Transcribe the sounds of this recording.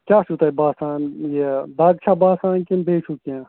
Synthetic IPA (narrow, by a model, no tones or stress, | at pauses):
kʲaːʃut̪ɐibaːsaːnjed̪aːd̪̚t͡ʃʰabaːsaːnkembeːt͡ʃʰukãː